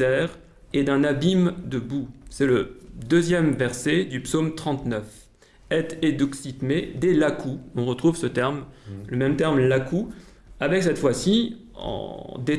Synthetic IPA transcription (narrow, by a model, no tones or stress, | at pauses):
ɛːʁ | ed̪ɛ̃nabimd̪əbusɛləd̪øzjɛmvɛʁsed̪ypsomt̪χɑ̃t̪nœf | ɛt̪ed̪uksit̪med̪elakuɔ̃ʁət̪χuvsət̪ɛʁmləmɛmt̪ɛʁmlakʰu | avɛksɛt̪fwasi | ɑ̰̃d̪e